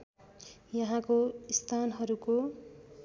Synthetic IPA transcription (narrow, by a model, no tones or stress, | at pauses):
jʌɦãkoist̪ʰanɦʌɾuko